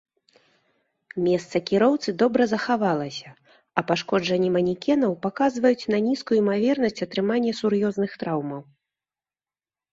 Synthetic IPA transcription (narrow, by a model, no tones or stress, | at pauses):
mʲɛst̪sɐkʲiɾɔwt̪sɨd̪ɔbɾɐzɐxavalˠɐsʲɐ | ɐpaʂkɔd͡ʐɐnʲːɛmɐnʲikʲɛnɐwpakazvɐjut͡sʲnɐnʲiskujuimavʲɛrnɐsʲt͡sʲɐt̪ɾɨmanʲːɐsuɾjɔznɨxt̪ɾawmɐw